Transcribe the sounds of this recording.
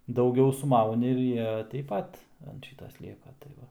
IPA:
dɐʊˈɡʲɛʊ sʊˈmɐʊnʲɪ ɪr ˈjiɛ tʲɛɪp ˈpɐt ɐnt ˈʃʲiːtɐ ˈsʲlʲiɛkɐ tɐɪ ˈʋɐ

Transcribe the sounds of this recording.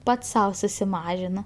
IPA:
ˈpɐts ˈsɐʊ sʊsʲɪˈmɑːʒʲɪnoː

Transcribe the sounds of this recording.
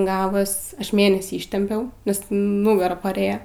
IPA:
ˈɡɑːʋoːs ˈɐʃ ˈmʲeːnʲɛsʲiː ɪˈʃʲtʲɛmʲpʲɛʊ nʲɛs ˈnʊɡɐrɐ pɐˈrʲeːjoː

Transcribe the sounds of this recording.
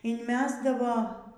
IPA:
ɪnʲˈmʲæːzdɐʋoː

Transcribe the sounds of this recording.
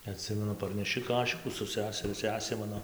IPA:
ɐˈtʲsʲɪmʲɛnʊ pɐrʲnʲɛˈʃʲɪ ˈkɑːʃʲɪkuː sʊ ˈsʲæːsʲɛrʲʊ ˈsʲæːsʲeː ˈmɑːnoː

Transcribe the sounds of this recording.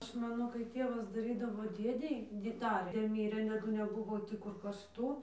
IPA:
ˈɐʃ ˈmɑːnoː kɐɪ ˈtʲeːʋɐs dɐˈrʲiːdɐʋoː ˈdʲeːdʲɛɪ dʲɪ ˈdɑːrʲeː ˈdʲeː ˈmʲiːrʲeː tɐˈdʊ nʲɛˈbʊʋoː ˈkʊr kɐrsˈtuː

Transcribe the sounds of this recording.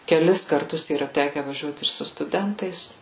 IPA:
kʲɛˈlʲɪs kɐrˈtʊs iːˈrɐ ˈtʲæːkʲɛ ʋɐˈʒʲuɔt ɪr sʊ stʊˈdʲɛntɐɪs

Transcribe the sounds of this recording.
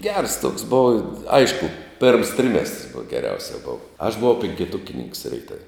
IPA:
ɡʲɛrs toːks ˈboːʋɐ ˈɐɪʃkʊ pʲeːrms ˈtʲrʲɪmʲɛstrs bʊw ɡʲɛˈrʲɛʊsʲɛ ˈboːʋɐ ɐʃ bʊˈʋɐʊ pʲɪŋʲkʲɪˈtʊkʲɪnʲɪŋks rʲɛɪˈtɐw

